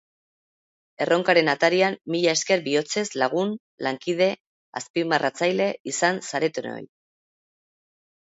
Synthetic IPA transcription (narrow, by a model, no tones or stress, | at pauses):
e̞ro̞ŋkaɾe̞nat̪aɾiamːiʎae̞ske̞ɾbio̞t͡se̞zlaɣ̞un | laŋkið̞e̞ | a̰spimarʔat͡sajle̞isansaɾe̞t̪uno̞̰j